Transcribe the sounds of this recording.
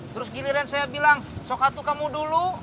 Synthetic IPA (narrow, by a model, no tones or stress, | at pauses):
t̪əɾʊsɡiliɾansajabilaŋsokat̪ukamudulu